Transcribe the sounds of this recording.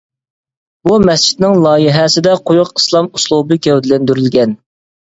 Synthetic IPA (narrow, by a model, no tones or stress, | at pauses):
bumɛst͡ʃʰi̥t̪nɪŋlˠɑːjɪɦɛsɪd̪ɛqʰojʊqislˠɑmuslˠubɨkʲɛwd̪ɪlɛnd̪yɾylɡʲɛn